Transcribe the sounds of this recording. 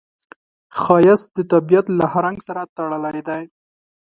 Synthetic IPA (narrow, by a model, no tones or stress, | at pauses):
xɑjasd̪ət̪abijat̪lahaɾaŋɡsaɾat̪aɽəlajd̪aj